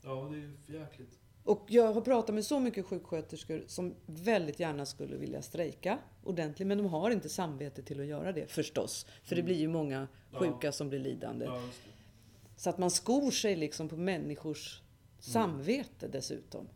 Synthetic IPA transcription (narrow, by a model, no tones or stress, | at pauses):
dɛjæklɪt̪ | ʔɔkjɑːɡɦaɾpʰɾɑːt̪at̪mɛsɔmʏkːəɧʉ̟ːkɧøːt̪əʂkəɾsɔmvɛld̪ɪt̪jæːɳaskɵlːə̰vɪ̰lja̰st̪ɾɛjka | ʔʊɖɛnt̪lɪmɛnd̪ɔmɦaɾɪnt̪əsamveːt̪ət̪ʰɪlːɔjœ̰ːɾad̪ɛ̰fœʂʈɔ̰sfœɖɛblɪɾjɵmɔŋːa | ɧʉ̟ːkasɔmblɪɭḭːd̪a̰nd̪ə̰ | sɔat̪manskuːʂɛjlɪksɔmpʰɔmɛnːɪɧʊʂː | amveːt̪əd̪ɛsʉ̟̰ːt̪ɔ̰m